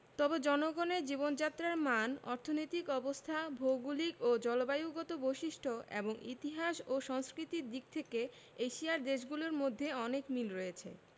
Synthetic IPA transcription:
t̪ɔbed͡ʑɔnoɡoneɾd͡ʑibond͡ʑat̪ːɾaɾmanɔ̰ɾt̪ʰonojt̪ikɔbost̪ʰabʱoɡulikod͡ʑɔlobajuɡɔt̪obojʃiʃʈʰoʔḛboŋḭt̪iɦaʃoʃɔŋskɾit̪iɾd̪ik̚t̪ʰeke | eʃiaɾd̪eʃɡuloɾmod̪ʱːeɔnekmilɾojet͡ɕʰḛ

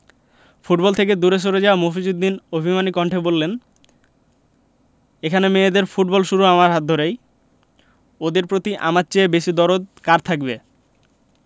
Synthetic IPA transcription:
fuʈbɔlt̪ʰek̬ed̪uɾeʃ̬oɾed͡ʑaamofid͡ʑud̪ːinobʱimanikɔɳʈʰebolːen | ekʰanemeed̪eɾfuʈ̚bɔlʃuɾuamaɾɦat̪̚d̪ʱoɾej | od̪eɾpɾot̪iʔa̰maɾt͡ɕeebeʃid̪ɔɾod̪̚kaɾt̪ʰak̚be

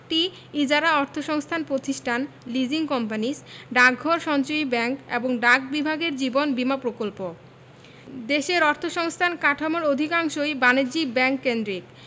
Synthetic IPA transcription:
ʈi | id͡ʑaɾaɔɾt̪ʰoʃɔŋst̪ʰanpɾot̪iʃʈʰan | lid͡ʑiŋkɔmpanisɖak̚ɔɾʃɔnt͡ɕoibɛŋkḛboŋɖak̚bibʱaɡeɾd͡ʑibonbimapɾokolpo | d̪eʃeɾɔɾt̪ʰoʃɔŋst̪ʰankaʈʰamoɾod̪ʱikaŋʃojbaned͡ʑibɛŋkːend̪ɾik

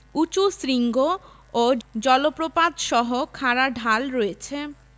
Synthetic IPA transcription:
ut͡ɕusɾiŋɡo | od͡ʑɔlopɾopad̪ʃɔɦokʰaɾaɖʱalɾoet͡ɕʰe

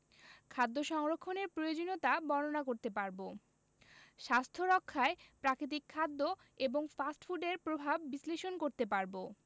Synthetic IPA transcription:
kʰad̪ːoʃɔŋɾokʰːoneɾpɾojod͡ʑonot̪abɔnonakoɾt̪epaɾbo | ʃast̪ʰoɾɔkʰːaepɾakɾit̪̬ikʰːad̪ːo | eboŋfasʈfuɖeɾpɾobʱabːisleʃonkoɾt̪epaɾbo

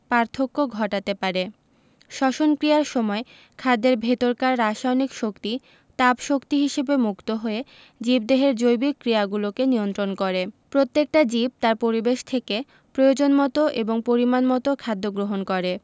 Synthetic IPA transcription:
paɾt̪ʰokːoɡʱɔʈat̪epaɾe | ʃɔʃonkɾijaɾʃɔmɔe | kʰad̪ːeɾbʱet̪oɾkaɾːaʃajnikʃokt̪i | t̪abʃokt̪iɦiʃebemukt̪oɦoe | d͡ʑib̚d̪eɦeɾd͡ʑojbikːɾiaɡulokeniont̪ɾonkɔɾepɾot̪ːek̚ʈad͡ʑib̚t̪aɾpoɾibeʃt̪ʰeke | pɾojod͡ʑonmɔt̪oʔeboŋpoɾimanmɔt̪okʰad̪ːoɡɾoɦonkɔɾe

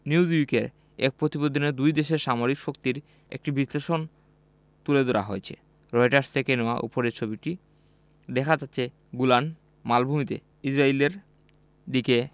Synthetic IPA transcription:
niuzikeɾ | ḛk̚pɾot̪ibod̪ʱoned̪ujd̪eʃeɾʃamoɾikʃokt̪iɾ | ḛk̚ʈibisleʃon | t̪uled̪oɾa̰ɦoet͡ɕʰḛ | ɾɔjʈaɾst̪ʰekeneoaʔṵpoɾeɾt͡ɕʰobiʈi | d̪ekʰad͡ʑatːɕʰe | ɡulan | malbʱumit̪ḛ | id͡ʑɾaileɾ | d̪ike

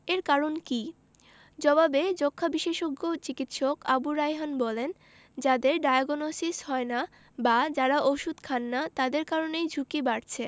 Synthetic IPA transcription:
eɾkaɾonki | d͡ʑɔbabed͡ʑokʰːabiʃeʃoɡot͡ɕikit̪ʃokabuɾajɦanbɔlen | d͡ʑad̪eɾɖajaɡonosishɔena | bad͡ʑaɾaʔoʃud̪kʰanːat̪ad̪eɾkaɾonejd͡ʑʱukibaɾt͡ɕʰe

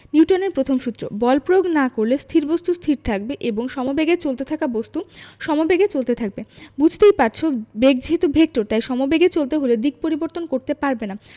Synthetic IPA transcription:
nuwʈoneɾpɾot̪ʰomʃut̪ːɾo̰bɔlpɾooɡnakoɾlest̪ʰiɾbost̪ust̪ʰiɾt̪ʰak̚beʔeboŋʃɔmobeɡet͡ɕolt̪et̪ʰakabost̪uʃɔmobeɡet͡ɕolt̪et̪ʰak̚bebud͡ʑʱt̪ejpaɾt͡ɕʰobeɡ̚d͡ʑʱit̪ubʱek̚ʈoɾt̪ajʃɔmobeɡet͡ɕolt̪eɦoled̪iɡ̚poɾiboɾt̪onkoɾt̪epaɾbena

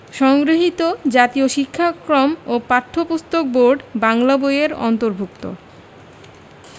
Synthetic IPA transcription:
ʃɔŋɡɾoɦit̪od͡ʑat̪ioʃikʰːakɾomopaɾt̪ʰːopust̪ok̚boɾɖbaŋlabojeɾɔ̰nt̪oɾbʱukt̪o̰

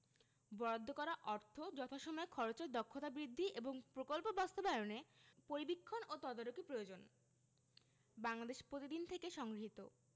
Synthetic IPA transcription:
bɔɾod̪ʱːokɔɾaʔɔɾt̪ʰod͡ʑɔt̪ʰaʃɔmɔekʰɔɾot͡ɕeɾd̪ɔkʰːot̪abɾid̪ʱːiʔeboŋpɾokolpobast̪obaɾonepoɾibikʰːonot̪ɔd̪aɾokipɾojod͡ʑon | baŋlad̪eʃpɾot̪id̪int̪ʰekeʃɔŋɡɾiɦit̪o̰

